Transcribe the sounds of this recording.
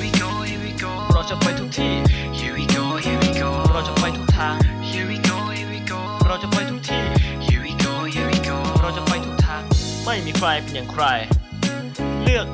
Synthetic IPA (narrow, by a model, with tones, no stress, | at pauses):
ɾa˧wt͡ɕa˨˩kʰɔ˧jt̪ʰuː˨˦˥t̪ʰiː˧˩ | o˧i˧ɾa˧wt͡ɕa˨˩kʰa˧˩jt̪ʰuː˨˩˦t̪ʰaː˧˩ŋ | o | ɾa˧wt͡ɕa˨˩pʰa˧˩jt̪ʰuː˨˦˥t̪ʰiː˧˩˧ | ɾa˧wt͡ɕa˨˩pʰa˧jt̪ʰuː˨˩˦t̪ʰaː˧˥˩ŋ | ma˥˩jmiː˧kʰɾa˧jpe˧njaː˨˩ŋkʰɾa˧j | lɯ˥˩ək̚